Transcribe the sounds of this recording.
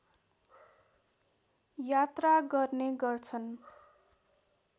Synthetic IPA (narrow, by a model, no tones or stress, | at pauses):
jat̪raɡʌrneɡʌrt͡sʰʌn